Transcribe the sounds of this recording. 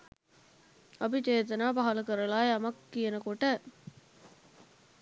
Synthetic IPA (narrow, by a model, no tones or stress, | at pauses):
ɐbit͡ʃeːt̪ɐnaːpɐɦɐlɐkəɾɐlaːjeɐmɐkːijɐnəkoʈə